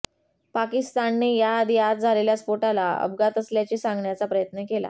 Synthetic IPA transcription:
pakist̪anːiːjad̪jat̪d͡zʱaleljaspoʈalaə̰bɡat̪əsljat͡ɕiːsãŋɡɳjat͡sapɾəjət̪nəkela̰

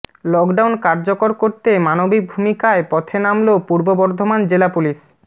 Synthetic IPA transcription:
lɔkɖawnkaɾd͡ʑokoɾkoɾt̪emanobik̚bʱumikaepɔt̪ʰenamlopuɾbobɔɾd̪ʱomand͡ʑelapuliʃ

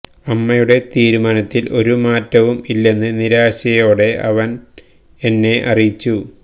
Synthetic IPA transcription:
ɐmːɐjuɽe̞t̪iːɾumaːnɐt̪ːilʔo̞ɾumaːtːɐʋumilːe̞nːɨniɾaːɕɐjo̞ːɽe̞ʔɐ̰ʋɐn | e̞nːe̞ʔɐrijit͡ɕːu

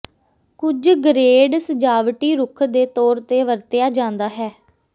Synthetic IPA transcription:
kʊd͡ʒɡɾeːɖsəd͡ʒaːʋʈiːɾʊkʰd̪eːt̪ɔːɾt̪eːʋəɾt̪ɪjaːd͡ʒãːnd̪aːɦɛː

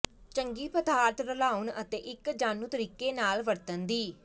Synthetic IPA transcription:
t͡ʃəŋɡiːpəd̪aːɾt̪ɾəlaːʊɳə̰t̪eːʔɪkd͡ʒaːnũːt̪əɾiːkeːnaːlʋəɾt̪ənd̪iː

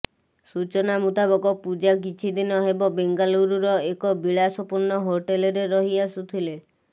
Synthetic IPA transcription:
sut͡ʃɔnamut̪abɔɡɔpud͡ʒak̬it͡ʃʰid̪inɔɦebɔbeŋɡaluɾuɾɔekɔbiɭasɔpuɾnɔɦoʈelɔɾeɾɔɦiasut̪ʰile

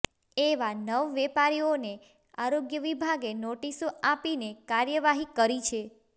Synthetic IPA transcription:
eʋanəʋʋɛpaɾione | aɾoɡjəʋibʱaɡenoʈisoapinekaɾjəʋaɦikəɾit͡ʃʰe

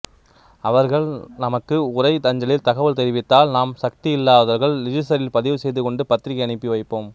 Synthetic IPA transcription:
ɐʋɐɾɣɐɭnɐmɐkːɯʊrɐɪt̪ɐɲd͡ʒɐɭɪlt̪ɐɣɐʋɐlt̪ɛɾɪʋɪt̪ːaːlnaːmsɐk̚t̪iɪlːaːðɐɾɣɐɭɾɪd͡ʒɪsɐɾɪlpɐðɪʋɯsɛjðɯkɔɳɖɯpɐt̪ɾɪɣɐɪɐɳɪpːiʋɐɪpːoːm

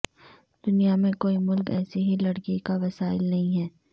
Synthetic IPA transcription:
d̪̥ʊnijamẽkoːimʊlkɛːseɦilɐɽkikaʋɐsaːɪlnɐɦĩɦɛː

